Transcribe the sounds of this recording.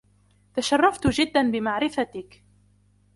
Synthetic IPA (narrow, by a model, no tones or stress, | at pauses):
t̪aʃarˤːɑft̪ʊd͡ʒɪd̪ːanbɪmaʕɾɪfat̪ɪk